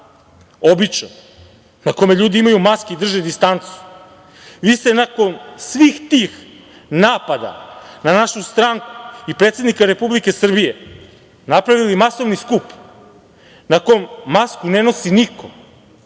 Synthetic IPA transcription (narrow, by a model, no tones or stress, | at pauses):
o̞bit͡ʃno | nako̞me̞ʎuːd̪iimajumaskeid̪r̩ʒed̪ist̪ant̪su̥ | ʋiːst̪e̞nako̞nsʋiːxt̪iːx | naːpad̪a̰nanaʃust̪ɾaŋku̥ipɾe̞t̪sʲed̪nikaɾe̞publike̞sr̩bije̞ | napɾaʋilimaso̞ʋniskup | nako̞jomːaskune̞no̞siniko